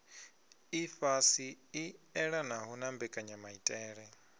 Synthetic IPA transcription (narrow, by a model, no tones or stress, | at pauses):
ifasiiɛɺanaɦunambɛkʼaɲamaitʼɛːɺɛ